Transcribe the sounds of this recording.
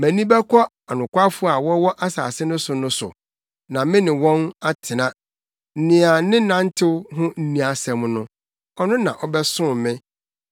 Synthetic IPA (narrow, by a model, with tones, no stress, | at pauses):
mæ̃˨nĩ˦bɛ˦kʰɔ˦ | a˨nʊ̃˨kʷa˦fʊ˦a˨wɔ˦wɔ˦ʔa˦sa̰ː˨sɪ˦nʊ̃˦sʊ˨nʊ̃˦sʊ̰˨ | nã˨mɪ̃˦nɪ̃˨wɔ̃˦na˦tʰɪ˨nã˦ | n̩˦nɪ̃˨a˨nɪ̃˦nã˨n̩˦tʰɪ˦wɦʊ̃˦n̩˦nĩ˨a˨sɛ̃˨m˦nʊ̰̃˦ | ɔ˦nʊ̃˦nã˨ʔɔ˨bɛ˦sʊ̃˦˨mɪ̃˦